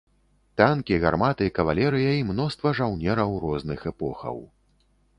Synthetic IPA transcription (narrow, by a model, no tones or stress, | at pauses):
t̪ankʲiɣa̰rmat̪ɨikɐvalʲɛɾɨjɐimnɔst̪vɐʐawnʲɛɾɐwɾɔznɨxɛpɔxɐ̰w